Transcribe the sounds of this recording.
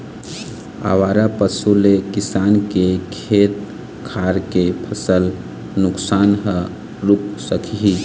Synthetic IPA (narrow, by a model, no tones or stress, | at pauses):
a̰ʋaɾapəsulekisaːnkekʰet̪̚ | kʰaɾkepʰəsəl | nʊksaːnɦə | ɾuk̚səkʰiɦi